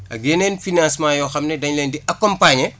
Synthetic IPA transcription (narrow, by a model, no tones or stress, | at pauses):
ʔɐ̰ɡeːnɛnfinãːnsmãːjɔxɐmnɛdɐɲlɛndiʔɐkːɔmpaːɲɛ